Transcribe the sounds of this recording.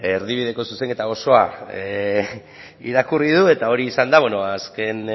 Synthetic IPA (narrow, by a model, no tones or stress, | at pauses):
eɾðiβ̞ið̞e̞ko̞suse̞ŋke̞t̪aɣo̞so̞a | ḭɾakurið̞ue̞t̪ao̞ɾiːsand̪aβweno̞aske̞n